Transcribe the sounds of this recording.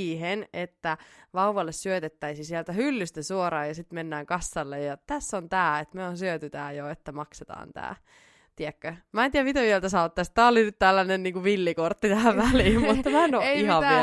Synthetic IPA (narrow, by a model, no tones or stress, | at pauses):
henet̪ːæʋɑuʋɑlːessyøt̪et̪ːæisisielt̪æhylːyst̪æsuoɾɑːjɑsit̪menːæːŋkɑsːɑlːejjɑt̪æsːont̪æːet̪meonsyøt̪yt̪æːjoet̪ːæmɑkset̪ɑ̰ːnt̪æ̰ː | t̪iækːømæent̪iæmit̪eielt̪æsɑːɑt̪ːæst̪t̪æːolinyt̪t̪ælːænenniːŋkuʋilːikort̪ːit̪æːæʋʋæliːmmut̪ːɑmæenoihɑʋ